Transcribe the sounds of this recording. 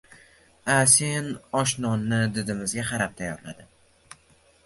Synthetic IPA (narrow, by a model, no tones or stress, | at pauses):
ase̞nɒʃnɒnːɪd̪ɪd̪ɪmɪzɡʲaqɑɾap̚t̪ʰajɒɾla̰d̪ɪm